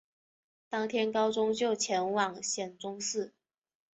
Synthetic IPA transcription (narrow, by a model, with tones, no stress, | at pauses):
t̪ɑ˥ŋt̪ʰjɛ˥nkɑ˥ʊt͡sʊ˥ŋt͡ɕjo˥˩ʊt͡ɕʰjɛ˧˥nwɑ˨˩ŋɕjɛ˨˩nt͡sʊ˥ŋsɹ̩˥˩